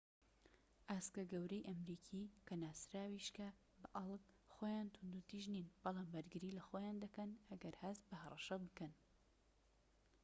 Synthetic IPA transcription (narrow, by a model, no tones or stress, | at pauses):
ʔaːskɐɡɐwɾɛjʔɐmɾiːkʰiːkʰɐnaːsɾaːwiʃka | bɐʔɐlˠkxojaːnt̪ʰʊnd̪ut̪iːʒninb̥ɑlˠaːmbɐɾɡɨɾiːlɐxojaːnd̪ɐkɐnʔɐɡɐɾhɐst̪̚bɐhɐrˤɑʃɐbɨkɐn